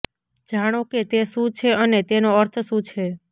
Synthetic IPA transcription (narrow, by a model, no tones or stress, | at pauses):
d͡ʒaɽ̃oket̪eʃũt͡ʃʰeənet̪enoəɾt̪ʰʃũt͡ʃʰe